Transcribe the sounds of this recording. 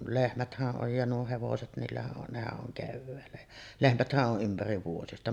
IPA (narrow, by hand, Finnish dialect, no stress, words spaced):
lehmæthæʔ ʔoj jɑ nuo heʋoset niːlːæhæʔ ʔon nehæʔ ʔoŋ keʋːæːlːæ jæ lehmæthæʔ ʔoʔ ʔympæriʋ ʋuojestɑ